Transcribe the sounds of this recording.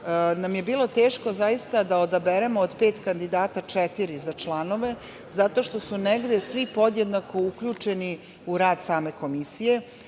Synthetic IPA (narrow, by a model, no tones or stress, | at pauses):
namje̞biːlo̞t̪eːʃko̞zajist̪ad̪aod̪abeɾemoːd̪pe̞ːt̪kand̪id̪aːt̪at͡ʂɛt̪iɾizat͡ʃlˠano̞ʋe̞ | zat̪o̞ʃt̪o̞suneɡd̪esʋipo̞d̪jed̪nako̞uklʎut͡ʃeni | uɾaːd̪saːme̞ko̞misije̞